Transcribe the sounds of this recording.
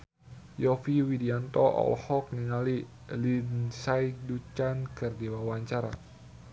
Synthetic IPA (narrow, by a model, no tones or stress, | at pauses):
jɔfiwidiant̪ɔʔɔ̰lhɔk̚niŋali | linsajdut͡ʃankɨrdiwawaɲt͡ʃaɾa̰